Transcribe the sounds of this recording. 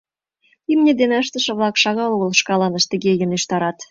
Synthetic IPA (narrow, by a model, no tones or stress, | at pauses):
imnʲed̪enəʃt̪ə̆ʃə̆βlˠɑkʃɑɣɑoɣə̆lʃkɑlɑnə̆ʃt̪ə̆ɣejəneʃt̪ɑɾɑt̪